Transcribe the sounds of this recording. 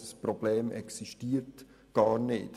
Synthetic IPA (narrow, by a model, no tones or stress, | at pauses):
əsprɔb̥lɛːmʔɛ̰ksiʃtiːɾt | ɡ̥ɑːɾnɪ̰ːt